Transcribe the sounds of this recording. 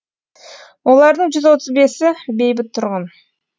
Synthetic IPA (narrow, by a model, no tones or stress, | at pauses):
wo̞lˠɑɾd̪əɴʒʏzwo̞t̪əzbe̞sɪbe̞jbɪt̪ʰːʊɾʁɑn